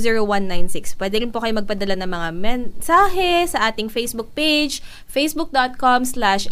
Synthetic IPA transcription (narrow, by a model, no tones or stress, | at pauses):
ziːɹowanːajnsɪkspwɛːd̪ɛɾɪnpokɐjomɐɡ̚pɐd̪ɐlanɐŋmɐŋamɛnsaːɦɛsɐʔaːt̪ɪŋfejsbʊk̚pejd͡ʒ | fejsbʊk̚d̪ot̪̚komslaʃ